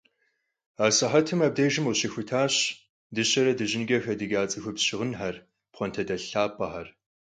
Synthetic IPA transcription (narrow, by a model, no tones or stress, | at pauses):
aːsɐħɐtʰɨmɐb̚dɐjʒɪmwɕɐxʷʊtʰaːɕ | dɨɕɐɾɐdɨʑɪnɡʲɐxɐdɨɡʲaːt͡sʼɨxʷʊpɕɪʁənħɐr | pχʷɔntʰɐdɐɬaːpʰʼːɐħɐr